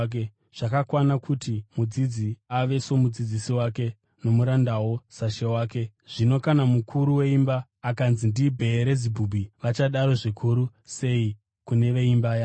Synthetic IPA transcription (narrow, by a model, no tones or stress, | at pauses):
k | ʐ̥akakwanakʰutimud͡zid͡ziaʋe̞so̞mud͡zid͡zisiwake̞ | no̞muɾandawo̞saʃe̞waːke̞ʐ̥ino̞kanamukʰuɾuwe̞imbaː | kanzindibʱe̞ːɾe̞zibʱubʱiʋat͡ʃaɗaɾo̞ʐikʰuɾu | se̞i | kune̞ʋe̞imbaːja